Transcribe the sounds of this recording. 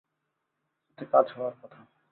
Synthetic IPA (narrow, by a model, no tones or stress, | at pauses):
et̪ʰekad͡ʑɦɔwaɾkɔt̪ʰa